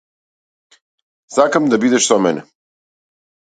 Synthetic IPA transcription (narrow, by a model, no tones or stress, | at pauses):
sakamd̪abid̪ɛʃsamɛnɛ